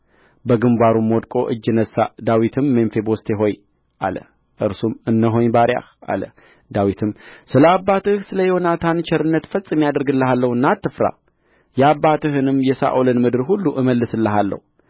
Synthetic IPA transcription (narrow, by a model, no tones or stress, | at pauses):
bəɡɨmbaɾumwɔd̪kʼo̞ʔɨd͡ʒːɨnəsːad̪awit̪ʰɨmːemfe̞bost̪ʰeɦo̞j | ʔa̰lə̰ | ʔɨɾsumɨnːəɦo̞ɲbaɾja̰ha̰lə̰ | d̪awit̪ʰɨmsɨləabːat̪ɨhsɨləjɛonat̪ʰant͡ʃʰɛɾɨnːət̪fət͡sʼːɨmjad̪əɾɡɨlːəɦalːəhɨnːat̪ːɨfɾa̰ | jɛabːat̪ʰɨɦɨnɨmjɛsa̰ʔulɨnmɨd̪ɨɾɦulːuʔɨməlːɨsɨlːəɦalːə̰hu